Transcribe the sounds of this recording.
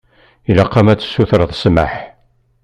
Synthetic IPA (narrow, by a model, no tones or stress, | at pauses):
ilɑqːɑmæt͡sːə̥sːuθɾəðˤsma̰ħ